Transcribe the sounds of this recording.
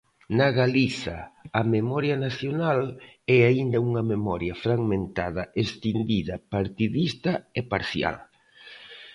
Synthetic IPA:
nɐɣaliθɐ̰ɐmemɔɾjɐnaθjonalɛaind̪ɐuŋɐmemɔɾjɐfɾaɣmẽnt̪aðɐʔest̪ind̪iðɐpaɾt̪iðist̪ɐepaɾθja̰l

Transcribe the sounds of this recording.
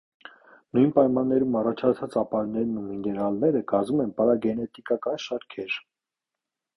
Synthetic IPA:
nujnpɑjmɑnːɛɾumɑrɑt͡ʃʰɑt͡sʰɑt͡sɑpɑɾnɛɾnuminɛɾɑlnɛɾəɡɑzumɛnpɑɾɑɡɛnɛt̪ikɑkɑnʃɑɾkʰɛɾ

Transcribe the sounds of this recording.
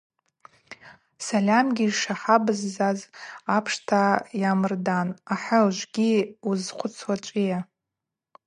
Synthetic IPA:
salʲamɡʲiʂaħabɨzːazapʰʂtʰajamɨrdanaħalʒʷɡʲiuzqʷʰʊt͡sʰwat͡ʃʷʼija

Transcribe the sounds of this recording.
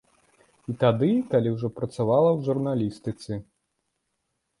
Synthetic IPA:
it̪ad̪ɨkalʲiwʐɔpɾɐt̪savalˠɐwʐurnalʲist̪ɨt̪sʲɛ

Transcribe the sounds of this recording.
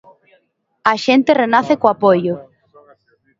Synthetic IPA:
aʃent̪erenaθekoapojʊ

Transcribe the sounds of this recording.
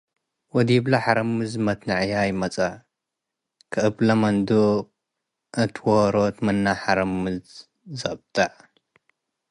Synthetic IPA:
wɔd̪iblɐħaɾɐmɨzmɐt̪nɐʕjajɪmɐt͡sʼa | kʰɨʔɨblɐmɐnd̪o | ʔɨt̪ʰwoɾot̪mɨnːaħaɾɐmɨzː | ɐb̚t̪ʰʼaʕ

